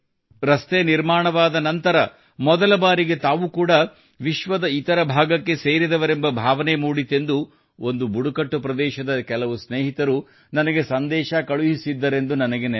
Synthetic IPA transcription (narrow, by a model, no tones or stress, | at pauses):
ɾɐst̪eniɾmaːɳɐʋaːd̪ɐnɐnt̪ɐɾɐ | mɔd̪ɐlɐbaːɾiɡe̞t̪aːʋukuːɽɐ | ʋiʃʋɐd̪ɐit̪ɐɾɐbʱaːɡɐkːe̞seːɾid̪ɐʋɐɾembɐbʱaːʋɐnemuːɽit̪ːe̞nd̪u | o̞nd̪ubuɽukɐʈːupɾɐd̪ɛːʃɐd̪ɐkɛlɐʋusneːɦit̪ɐɾu | nɐnɐɡe̞sɐnd̪ɛːʃɐkɐɭuɦisid̪ːɐɾe̞nd̪unɐnɐɡe̞n